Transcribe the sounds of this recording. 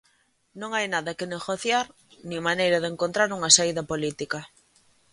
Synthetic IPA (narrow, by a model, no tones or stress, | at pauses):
nõŋajnaðɐkɪneɣoθjaɾ | nĩŋmanejɾɐðeŋkont̪ɾaɾuŋasaiðɐpolit̪ikɐ